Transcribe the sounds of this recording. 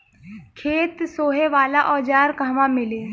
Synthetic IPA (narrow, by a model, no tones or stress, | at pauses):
kʰeːt̪soːɦeʋaːlaʔɔːd͡ʒaːɾkaːʋãmɪleː